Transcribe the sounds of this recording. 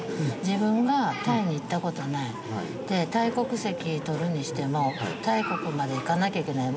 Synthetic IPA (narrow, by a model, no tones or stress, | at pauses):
d͡ʑibɯ̟̃ŋɡat̪aiɲ̟iːt̪ːako̞t̪o̞nai | d̪̥e̞t̪aiko̞kɯ̟se̞kʲit̪o̞ɾɯ̟ɲ̟iɕi̥t̪e̞mo̞t̪aiko̞kɯ̟mad̪e̞ikanakʲaike̞nai